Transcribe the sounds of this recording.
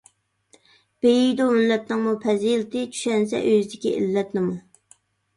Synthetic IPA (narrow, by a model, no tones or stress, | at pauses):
b̥ejijd̪omɪlːɛt̪nɨŋmupʰɛzilɪt̪ɪt͡ʃʰy̥ʃɛns̬ɛ̰ʔøzd̪ɪkʲiʔḭlːɛt̪nɪmu